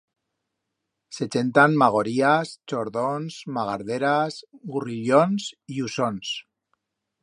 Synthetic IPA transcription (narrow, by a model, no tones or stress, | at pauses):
set͡ʃent̪anmaɣ̞oɾiast͡ʃoɾðonzmaɣaɾð̞eɾazɣuriʎonsiusons